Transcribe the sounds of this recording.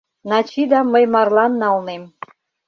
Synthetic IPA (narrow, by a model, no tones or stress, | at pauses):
nɑt͡ɕid̪ɑməjmɑrlɑnːɑlnem